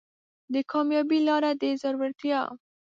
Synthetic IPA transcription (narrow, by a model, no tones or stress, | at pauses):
d̪əkʰɑmjɑbilɑɾad̪əzaɾwaɾt̪jɑ̰